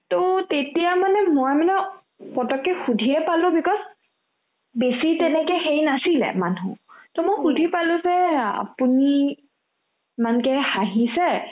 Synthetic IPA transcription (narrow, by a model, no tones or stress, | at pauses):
totetijamanɛmojmanɛ | pɔtɔkːɛxudʱiɛpalʊ̃bikɔs | besitɛnɛkɛxejinasilɛ̰manṵ̃tɔmojxudʱipalʊ̃zɛa̰puni | mankɛhaɦisɛ